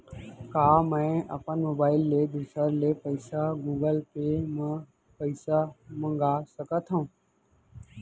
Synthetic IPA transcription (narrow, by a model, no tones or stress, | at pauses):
kaːmə̃ʔə̰pənmoːbaːɪlːeːd̪usəɾleːpəɪsaɡuːɡəlpeːmə̃ | pəɪsamə̃ŋɡaːsəkət̪ʰõː